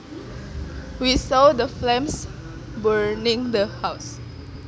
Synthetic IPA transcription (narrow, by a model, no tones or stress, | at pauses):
wisɔdəflɛ̃ms | bəɹnĩŋdəhaws